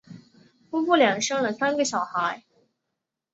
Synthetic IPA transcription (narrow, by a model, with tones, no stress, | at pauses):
fu˥pu˥˩ljɑ˨˩ŋʂɤ˥ŋlə˨sa˥nɡə˨˩ɕjɑ˨˩ʊxa˧˥ɪ